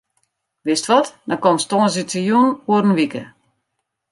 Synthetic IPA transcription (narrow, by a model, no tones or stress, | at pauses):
ʋɪstʋɔtdɔkɔmstoənsitʰəjunuəɾənʋikə̰